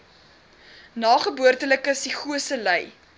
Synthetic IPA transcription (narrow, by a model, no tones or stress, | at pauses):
nɑːχəbuərtələkəsiχuəsələj